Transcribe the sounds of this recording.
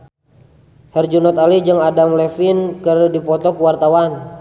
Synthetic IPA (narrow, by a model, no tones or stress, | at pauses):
hɛrd͡ʒunɔt̪alid͡ʒɨŋadamlɛfinkɨrdipɔt̪ɔkuwart̪awan